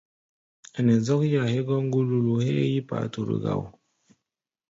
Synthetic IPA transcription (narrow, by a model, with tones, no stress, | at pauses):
a˨nɛ˨zɔ˦kja˨he˦ɡɔ˦ŋ˦ɡu˦lu˦lu˨he˦ji˦pa̰˨˦tu˨ɾḭ˨ɡa̰˨w